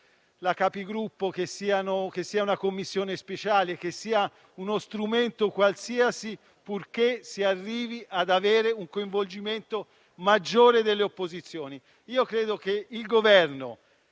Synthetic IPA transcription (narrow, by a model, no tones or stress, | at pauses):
lakapiɡɾupːokesːiːanok̟esːiːaunakomːisːjoːnespet͡ʃaːlek̟esːiːa | unost̪ɾument̪okwalsiasi | purkesiarːiːviʔad̪aveːɾeuŋkoiɱvold͡ʒiment̪o | mad͡ʒːoːɾed̪elːeopːozit̪sːjoːni | iːokɾeːd̪okeilɡovɛrno